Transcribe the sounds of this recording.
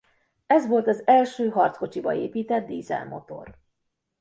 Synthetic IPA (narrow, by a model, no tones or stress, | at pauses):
ɛzʋo̞lt̪ɒzɛlʃøːɦɒrt̪sko̞t͡ʃibɒ̰eːpiːt̪ɛd̪̚d̪iːzɛ̰lmʔo̞̰t̪o̞̰r